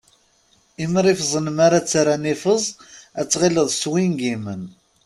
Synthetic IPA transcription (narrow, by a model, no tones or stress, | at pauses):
iməɾifzˤənəmaɾat͡sːaɾanifəzˤæt͡sːʁiləðˤswinɡimən